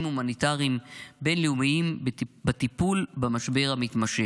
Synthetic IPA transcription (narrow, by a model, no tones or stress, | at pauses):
mhumanit̪aʁimbe̞nliumiimbat̪ipulbamaʃbe̞ʁamit̪maʃe